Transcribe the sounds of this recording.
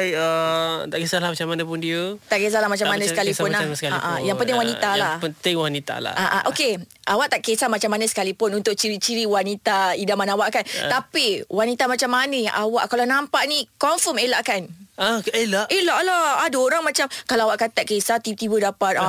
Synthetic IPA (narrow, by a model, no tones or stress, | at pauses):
jət̪aʔkesalahmat͡ʃamanapundiət̪aʔkes̬alamat͡ʃamːanãsəkalisʊnnlasəkalaʔajaŋpənt̪ɪŋwanialapənt̪ɪŋwanit̪a̰la̰aʔaʔokeʔawaʔt̪aʔkesamat͡ʃamːanasə̥kalipʊnunt̪ʊʔ̚t͡ʃiɾit͡ʃiɾiwanit̪aidamanaawaʔkant̪apiwanit̪amat͡ʃamːanəjaʔawaʔkalanãmpaʔnikɔnfɔmelaʔkanaelaʔelaʔlaadaoɾaŋmat͡ʃamkalaawaʔkat̪aʔkesat̪it̪ibədapat̪̚a